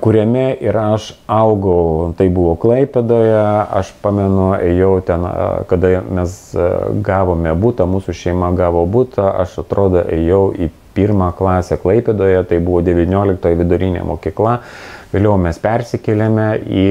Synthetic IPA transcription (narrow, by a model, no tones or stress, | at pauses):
kʊɾʲɛmʲɛʔɪɾɐʃɐʊɡɐʊt̪ɐɪbuʋoːklˠɐɪpʲɛd̪oːjɛɐ̰ʃpɑːmʲɛnʊɛjɛʊt̪ʲɛn̰kɐd̪ɐmʲɛsɡɑːʋoːmʲɛbuːt̪ɐmuːsʊʃʲɛɪmɐɡɑːʋoːbuːt̪ʰɐʔɐʃɐt̪ɾoːd̪oʔɛjɛʊʔi | pʲiːrmɑːklˠɑːsʲɛklˠɐɪpʲed̪oːjɛt̪ɐɪbuʋoːd̪ʲɛʋʲɪnʲoːlʲɪk̚t̪oːjɛʋʲɪd̪ʊɾʲɪnʲḛːmoːkʲiːklˠɐʋʲeːlʲɛʊmʲɛspʲɛrʲsʲɪkʲɛlʲɛmʲɛiː